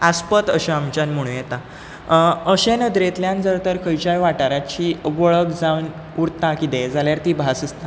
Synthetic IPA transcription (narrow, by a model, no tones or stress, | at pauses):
aspət̪əɕaamt͡ɕanm̤əɽ̃ũjet̪a | əɕenəd̪ɾet̪ljãnd͡zəɾt̪əɾkʰəjt͡ɕajʋaʈaɾat͡ɕiːʋəɭəkd͡zaun | uɾt̪akit̪ed͡zaljaɾt̪iːbʱasəst̪ʰa